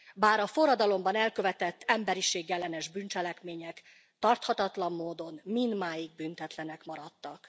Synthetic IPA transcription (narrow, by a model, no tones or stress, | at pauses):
baːɾɒfo̞ɾɒd̪ɒlo̞mbɒnɛlkø̞vɛt̪ɛt̪ːɛmbɛɾiʃeːɡjɛlːɛnɛʒbynt͡ʃɛlɛkmeːɲɛk | t̪ɒrt̪hɒt̪ɒt̪lɒmːoːd̪o̞nmind̪maːjiɡ̚bynt̪ɛt̪lɛnɛkmɒɾɒt̪ːɒk